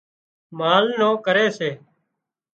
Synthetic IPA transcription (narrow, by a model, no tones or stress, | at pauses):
maːlnõːkəɾeːseː